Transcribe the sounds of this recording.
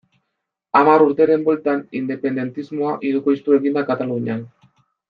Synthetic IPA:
amaɾuɾt̪e̞ɾe̞mbo̞lt̪anind̪e̞pe̞nd̪e̞nt̪izmo̞aʔiɾukojst̪ue̞ɣind̪akat̪aluɲan

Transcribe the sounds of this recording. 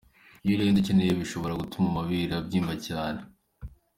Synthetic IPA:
ijoɾendicenejeβiʃo̞βo̞ɾaɡutumamaβiɾabɟiːmvacaːne

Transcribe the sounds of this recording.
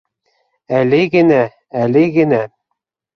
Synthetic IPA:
ælɘɡɘ̆næ | ælɘɡɘ̆næ

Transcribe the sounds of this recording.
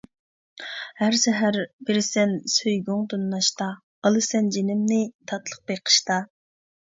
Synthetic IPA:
hæɾsɛɦæɾbɪɾɪsɛnsøjɡuŋd̪unːɑʃt̪ɑ | ɑlˠɨsɛnd͡ʒenɪmnɪt̪ʰɑt̪lˠəq̚beqʰə̥ʃt̪ɑ

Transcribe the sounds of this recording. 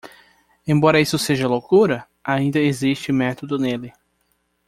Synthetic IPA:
ẽbɔɾɐisʊseʒɐlokuɾɐ | aĩnd̪ɐezist͡ʃɪmɛt̪od̪ʊnelɪ

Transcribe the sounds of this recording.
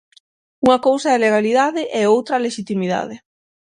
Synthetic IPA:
uŋɐkowsɐeleɣaliðaðɪʔɛowt̪ɾɐleʃit̪imiða̰ðɪ

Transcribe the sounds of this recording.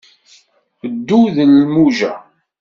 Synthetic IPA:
əd̪ːuðəlmuʒæ

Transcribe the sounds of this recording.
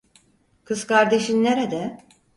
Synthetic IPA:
kʰɯzkʰaɾd̪eʃinnːeɾed̪ɛ

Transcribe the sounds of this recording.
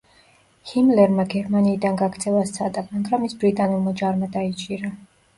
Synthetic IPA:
himlɛɾmaɡɛɾmaniːd̪anɡaɡɾd̪zɛlˠast̪sʰad̪amaɡɾamisbɾit̪ʼanulˠmad͡ʒaɾmad̪ait͡ʃʼiɾa

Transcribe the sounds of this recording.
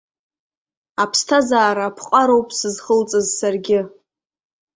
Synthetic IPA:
apʰstʰazaːɾaːpʰqʼaɾowpʼsɨzχəlt͡sʼazsarɡʲɪ

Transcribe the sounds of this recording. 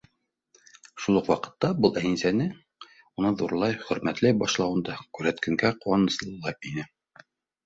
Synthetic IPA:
ʃulˠɤqwɑqɤ̥̆t̪ːɑbɤlˠʔæjinsænɘ | unɤðuɾlˠɑjχɵ̆ɾmæt̪lɘbɑʃlˠɑwɤ̆nd̪ɑkʉɾæt̪kæŋɡæquwɑnɤ̆sɤlˠːɑjpinɘ

